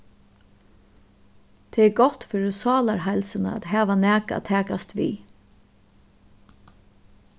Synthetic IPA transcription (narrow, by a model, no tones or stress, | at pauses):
t̪ʰɛɛɾɡɔht̪fʏɾɪsɑːlaɾɦaɪlsɪna̰a̰t̪ɦæːʋanæːka̰t̪ʰæːkast̪ʋḭː